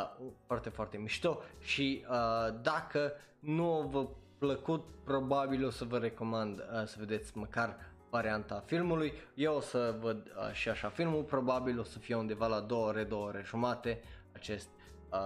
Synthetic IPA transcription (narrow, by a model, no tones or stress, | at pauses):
foart̪e̞foart̪e̞miʃt̪o̞ʃiəd̪akə | nuovəpləkut̪pɾo̞babilo̞səvəɾe̞ko̞mand̪əsəve̞d̪e̞t̪sʲməkar | vaɾiant̪afilmulujjeosəvəd̪ə̰ʃiaʃafilmulpɾo̞babilo̞səfijeund̪evalad̪o̞wəoɾe̞d̪owəoɾe̞ʒumat̪e̞at͡ʃe̞st̪ʲ